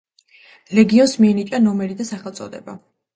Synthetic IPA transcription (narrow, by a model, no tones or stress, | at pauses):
lɛɡiɔnsmiɛnit͡ʃʼanɔmɛɾid̪asaχɛlˠt̪sʼɔd̪ɛba